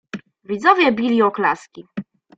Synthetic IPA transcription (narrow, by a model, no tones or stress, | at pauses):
vʲid̪zɔvʲjɛbʲilʲiɔkla̰skʲi